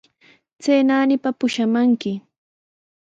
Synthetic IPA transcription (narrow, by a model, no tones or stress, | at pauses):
t͡seːnaːnɪpapʊʃamaŋkɪ